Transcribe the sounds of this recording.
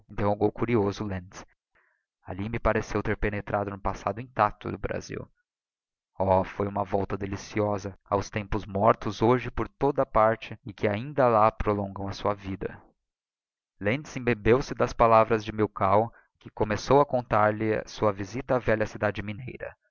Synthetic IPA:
ẽnt̪ẽwhoɡowkuɾiozʊlẽns | a̰limɪpaɾesewt̪eɾpenet̪ɾʔad̪ʊnʊpasad̪ʊĩt̪at̪ʊ̰d̪ʊbɾa̰zḭw | ɔfojũmɐvɔwt̪ɐd̪elisiɔzɐa̰wst̪ẽmpʊzmɔɾt̪ʊzoʒɪpoɾt̪od̪ɐpaɾt͡ʃɪːkɪaĩnd̪ɐlapɾolõɡɐ̃w̃ɐsuɐvid̪ɐ̰ | lẽnzẽbebewsɪd̪ɐspalavɾɐzd͡ʒɪmiwkaw | kɪkomesowɐkõnt̪aɾlɪa̰suɐvizit̪ɐːvɛʎɐsid̪ad͡ʒɪminejɾɐ̰

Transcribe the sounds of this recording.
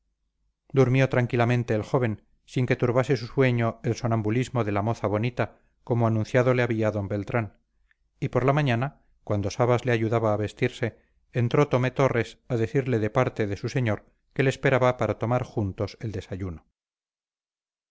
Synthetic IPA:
d̪uɾmjo̞t̪ɾaŋkilamẽ̞nt̪e̞ːlxo̞β̞e̞n | siŋke̞t̪uɾβase̞suswe̞ɲo̞elsonambulizmo̞ðe̞lamo̞θaβo̞nit̪a | ko̞moanũnθjaðoleaβiaðo̞mbe̞lt̪ɾan | ipo̞ɾlamaɲana | kwand̪o̞saβazleaʝuðaβaːβe̞st̪iɾse̞ː | nt̪ɾo̞t̪o̞me̞t̪o̞re̞saðe̞θiɾle̞ðe̞paɾt̪e̞ðe̞suse̞ɲoɾ | ke̞le̞ːspe̞ɾaβapaɾat̪o̞maɾxunt̪o̞se̞ld̪e̞saʝuno

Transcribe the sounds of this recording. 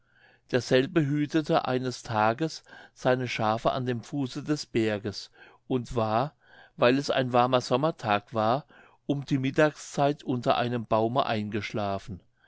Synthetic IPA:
d̥eːɐz̥ɛlbəɦyːtətʰəʔa̰ɪnəstʰaːɡəsz̥aɪnəʃaːfəʔa̰ndeːmfuːsədɛsb̥ɛɐɡəs | ʔʊntv̥aːɐ | vaɪlɛsa̰ɪnvaɐmɐzɔmɐtʰaːkv̥aːɐ | ʔʊmdiːmɪtaːkst͡saɪtʰʔʊntɐʔa̰ɪnəmb̥aʊməʔaɪnɡəʃlaːfn̩

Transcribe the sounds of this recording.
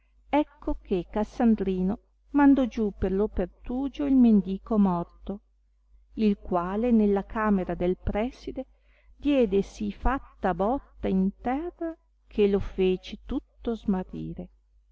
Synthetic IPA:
ɛkːokekːasand̪ɾiːno | mand̪ɔd͡ʒuperlopert̪uːd͡ʒoilmend̪iːkomɔrt̪o | ilkwaːlenelːakaːmeɾad̪elpɾɛsid̪e | d̪jɛːd̪esifat̪ːabɔt̪ːaint̪ɛrːa | kʰelofeːt͡ʃet̪ut̪ːozmarːḭːɾe

